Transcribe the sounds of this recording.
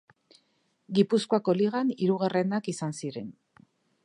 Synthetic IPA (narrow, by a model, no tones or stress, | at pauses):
ɡipuskoako̞liɣaniɾuɣare̞nakisansiɾe̞n